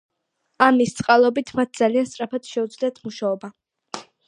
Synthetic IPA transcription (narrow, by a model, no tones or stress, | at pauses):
amist̪sʼqʼalˠɔbit̪ʰmat̪̚ʰd̪z̥alianst̪ʼɾapʰat̪ʃɛud̪zliat̪ʰmuʃaɔba